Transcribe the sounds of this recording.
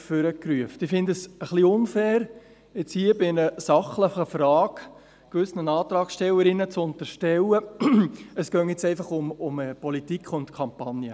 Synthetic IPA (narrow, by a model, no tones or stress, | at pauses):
føɾəkryəftɪfɪndəsəχliʊnfæːɾ | ɪt͡shiːəbɪnəsɑχləχəfɾɑːk | kʋʏsnənɑːt̪ɾɑːksʃtɛləɾɪnət͡sʊnt̪əɾʃtɛlə | əsɡ̥œŋɪt͡sɛɪfɑχʊmʊməpɔlitikχʊntkʰɑmpɑnjə